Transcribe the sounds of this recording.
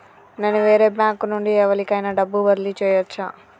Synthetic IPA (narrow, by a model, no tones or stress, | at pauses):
neːnuʋeːɾeːbjaːŋknuɳɖiɛʋɐlikɐjnɐɖɐbːuʋɐɾlit͡ʃɛːjʋɐt͡ʃːaː